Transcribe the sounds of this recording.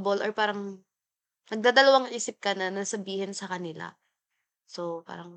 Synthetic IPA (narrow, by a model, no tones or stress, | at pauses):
bolʔoɹpaːɾɐŋ | nɐɡ̚d̪aːd̪ɐlɐwaŋʔiːsɪp̚kɐnɐnɐsɐbiːhɪnsɐkɐnɪla̰ | sopa̰ːɾɐŋ